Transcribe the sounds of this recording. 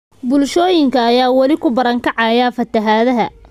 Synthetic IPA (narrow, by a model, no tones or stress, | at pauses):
bʊlʃɔːjɪŋkʰɐːjaːwɑlɪkʰʊbɐɾɐŋkʰɑʕɑjaːfɐt̪ʰɐɦaːðɐɦɐ